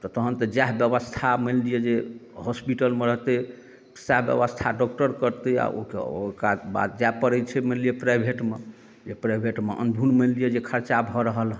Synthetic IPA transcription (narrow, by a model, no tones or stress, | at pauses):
t̪ɔt̪əɦənt̪əd͡ʒaɦbjəβəst̪ʰamənlijed͡ʒeɦɔspiʈəlmeɾəɦt̪ɛ | saɦbjə̰βəst̪ʰaɖɔk̚ʈəɾkəɾt̪ɛa̰o̰kḛokaba̰t̪̚d͡ʒapəɾɛt͡ʃʰɛmənlijepɾajbʱeʈme | d͡ʒepɾajbʱeʈmeʔə̰nbʱunmə̃nlijed͡ʒekʰəɾt͡ʃabʱɔɾəɦəlɦ